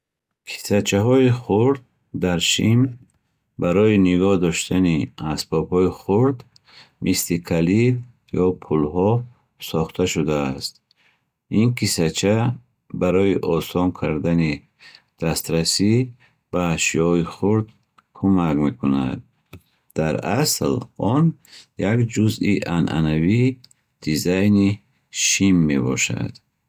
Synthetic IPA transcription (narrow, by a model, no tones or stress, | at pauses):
kʰi̥sat͡ʃʰaɦɔiχuɾd̪̚ː | aɾʃim | baɾɔiniɡɔhd̪ɔʃt̪ʰaniasbɔbhɔiχuɾd̪ | mʔislikʰaliv | jɔpʰulɦɔ | sɔχt̪ʰaʃud̪aːst̪̚ | inkʰisat͡ʃʰa | baɾɔiʔɔsɔnkʰaɾd̪ani | d̪̥ast̪ɾasi | b̥aʃiɔiχuɾd̪̚ | kʰumakme̞kʰuna̰d̪̚ | d̪̥aɾaslɔnjakd͡ʒuziʔanʔa̰navi | d̪̥izajni | ʃimːe̞bɔ̰ʃa̰d̪̥